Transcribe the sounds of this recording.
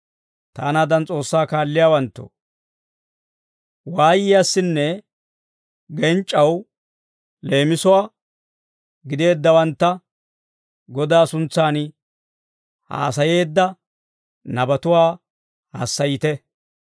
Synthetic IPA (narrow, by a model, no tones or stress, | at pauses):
t̪aːnaːd̪ɐnt͡sʼo̞ːsːaːkaːlːɪjaːwɐnt̪ːo̰ | waːjɪjasːɪnːɛ | ɡɛnt͡ʃʼːɐw | le̞ːmɪsʊwaː | ɡɪd̪e̞ːd̪ːɐwɐnt̪ːɐ | ɡɔd̪aːsʊnt͡sːaːn | ha̰ːsɐje̞ːd̪ːɐ | nɐbɐt̪ʊwaː | hɐ̰sːɐjɪt̪ɛ